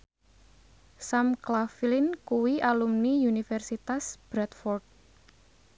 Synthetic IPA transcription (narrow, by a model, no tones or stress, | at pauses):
samklafilinkuwiʔalumniunifɛrsit̪asb̥ɾat̪fɔrt̪̚